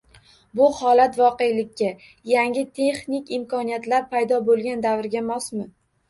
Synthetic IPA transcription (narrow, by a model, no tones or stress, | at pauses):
bʊhɒlat̪vɒqe̞jlɪkʲʰːa | jaŋʲɪt̪ʰe̞χnikʲɪmkʰɒnijat̪laɾpʰajd̪ɒbolˠɡʲand̪avɾɡʲamɒsmɪ